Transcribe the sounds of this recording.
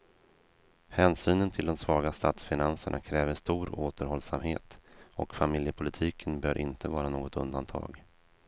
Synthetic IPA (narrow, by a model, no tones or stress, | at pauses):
hɛːnsyːnənt̪ʰɪld̪ɔmsvɑːɡast̪at̪sfɪnansəɳʔa̰kʰɾɛːvəɾst̪uːɾoːt̪əɾhɔlsamheːt̪ɔkfamɪljəpʰʊlɪt̪ʰiːkʰənbœːɾʔɪnt̪ʰəvɑːɾanoːɡɔt̪ɵ̰nd̪ant̪ʰɑ̰ːɡ